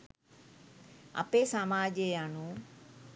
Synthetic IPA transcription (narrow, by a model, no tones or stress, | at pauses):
ə̰peːsaːmaːʄejaːnũː